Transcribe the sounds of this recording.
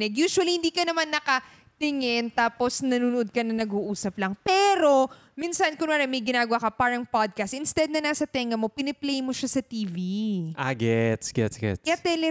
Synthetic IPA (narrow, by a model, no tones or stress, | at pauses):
ɛɡjuːsʊwɐlihɪnd̪iːkɐnɐmanːɐkɐ | t̪ɪŋɪnt̪aːpo̞snɐnuːnʊʔod̪̚kɐnɐŋnɐɡuːʔuːsɐplɐŋpɛɾo̞ | minsɐnkʊnmaɾamɐjɡɪnaːɡɐwakɐpaːɾɐŋpad̪̚kɐst̪̚ʔɪnst̪ɛd̪̚nɐnaːsɐt̪ɛŋɐmo̞pɪnɛplɛjmo̞ʃasɐt̪iːviʔa̰ɡɛt̪sɡ̥ɛt̪sɡ̥ɛ̰tɐt̪ɛlɛ